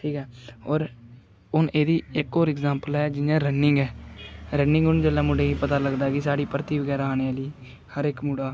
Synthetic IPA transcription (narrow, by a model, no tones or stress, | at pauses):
ʈʰiːkɛːoːɾ | ʊneːd̪iːɪkoːɾɪɡzãːmpəlɛːd͡ʒɪnjãːɾənːɪŋɡɛːɾənɪ̃ŋɡʊnd͡ʒəlːãːmʊɖẽːipət̪aːləɡd̪aːɡɪsaːɽiːpɾt̪iːbəɡɛːɾaːaːneːaːliː | həɾɪkmuːɽaː